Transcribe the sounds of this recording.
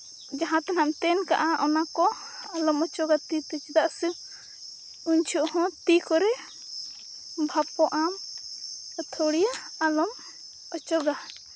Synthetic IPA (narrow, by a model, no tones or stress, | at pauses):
d͡ʒaɦãt̪anamt̪ɛnka̰ʔaʔɔnakɔalɔmɔt͡ʃɔɡat̪it̪ɛt͡ʃid̪aʔsi | uɲt͡ʃʰuʔhɔ̃t̪ikɔɾɛ | bʱapɔʔam | t̪ʰoɽijaːlɔm | ɔt͡ʃɔɡa